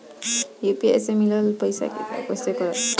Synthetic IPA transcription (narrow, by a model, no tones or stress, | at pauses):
jupiḛsemilɔlpɔjsa̰kḭta̰kɔsekɔɹɔ